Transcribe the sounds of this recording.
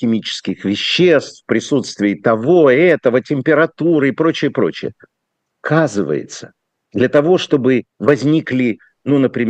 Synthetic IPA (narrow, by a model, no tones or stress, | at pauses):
ɪmʲit͡ɕɪ̥skʲɪxvʲɪɕːest̪fpɾʲɪsut̪st̪vʲɪɪt̪ɐvo̞ɛt̪əvətʲɪmʲpʲɪɾɐt̪uɾɨɪpɾo̞t͡ɕɪjəpɾo̞t͡ɕɪjə | kʰazɨvə̰jɪ̰t̪sə | d̪lʲət̪ɐvo̞ʂt̪o̞bɨvɐzʲnʲiklʲɪ | nunəpɾʲɪmʲ